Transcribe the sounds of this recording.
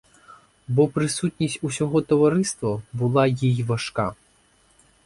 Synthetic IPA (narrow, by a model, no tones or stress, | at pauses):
bɔpɾɪsutʲnʲisʲtʲusʲɔɦɔt̪ɔʋɐɾɪst̪ʋɐbʊlˠɑjijʋɐʃka